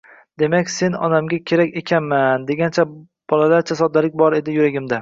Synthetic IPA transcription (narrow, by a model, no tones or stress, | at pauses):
d̪e̞makʲse̞nɒ̰namɡʲakʲʰe̞ɾakʲekʲʰanmand̪eɡʲant͡ʃʰa | b̥ɒlalaɾt͡ʃʰasɒd̪alɪk̚ʲbɒɾe̞d̪ɪjʊɾaɡʲɪmd̪a